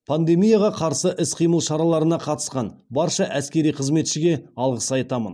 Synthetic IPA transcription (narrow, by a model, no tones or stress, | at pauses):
pʰand̪e̞mijaʁɑqʰɑɾsəʔɪsqʰijməlˠʃɑɾɑlˠɑɾənɑqʰɑt̪ə̥sqɑnbɑɾʃɑʔæskʲe̞ɾijqʰəzme̞t̪ʃɪɡʲe̞ɑlˠʁəsɑjt̪ɑmən